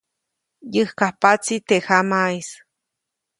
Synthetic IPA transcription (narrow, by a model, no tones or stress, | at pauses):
jɨhkahpat͡sit̪eʔhamais